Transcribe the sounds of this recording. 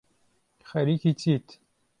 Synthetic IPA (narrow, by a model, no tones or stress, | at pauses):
xɐɾikit͡sʰit̪